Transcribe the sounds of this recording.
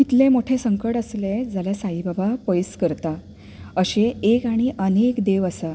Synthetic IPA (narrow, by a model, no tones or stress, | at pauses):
kit̪lẽmoʈʰesəŋkəʈəsled͡zaljasaibʱabʱapəjskəɾt̪a | əɕeekaɽ̃iʔənekd̪eʋəsa